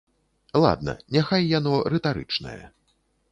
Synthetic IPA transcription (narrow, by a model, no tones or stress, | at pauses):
lˠa̰d̪̚nɐ̰nʲaxajːanɔɾɛt̪aɾɨt͡ʂnɐ̰jɐ̰